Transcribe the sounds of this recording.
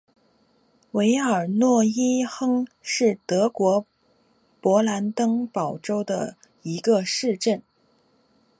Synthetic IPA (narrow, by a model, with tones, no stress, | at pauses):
we˧˥ɪə˞˨˩nwɔ˥˩i˥xɤ˥ŋʂɻ̩˥˩t̪ɤ˧˥kwɔ˧˥ | pwɔ˧˥la˧˥nt̪ɤ˥ŋpɑ˨˩ʊʈ͡ʂo˥ʊd̪ə̰˨ | i˧˥ɡə˧ʂɻ̩˥˧ʈ͡ʂə˥˩n